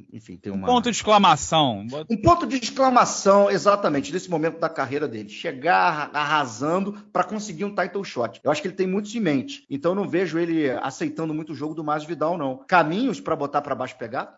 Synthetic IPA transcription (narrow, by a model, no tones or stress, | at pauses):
ḛ̃fḭ̃t̪ẽj̃ũmpõt̪ʊd͡ʒiʃklɐmasɐ̃w̃ũpõt̪ʊd͡ʒɪiʃklɐmasɐ̃w̃ezat̪ɐmẽnt͡ʃɪnesɪmomẽnt̪ʊd̪ɐkaɦejɾɐd̪elɪʃeɡaaɦazɐ̃nd̪ʊpɾɐkõsɪɡiɾũt̪ajt̪õwʃɔt͡ʃɪ̥ewaʃʊ̥kelɪt̪ẽj̃mũj̃t̪ʊsĩmẽnt͡ʃɪ̥ẽnt̪ɐ̃enɐ̃w̃veʒʊelɪa̰sejt̪ɐ̃nd̪ʊmũj̃t̪ʊʒoɡʊd̪ʊmajzd͡ʒɪvid̪aonɐ̃w̃kamĩɲʊspɾɐbot̪apɾɐbaʃʊ̥peɡad̪ʊ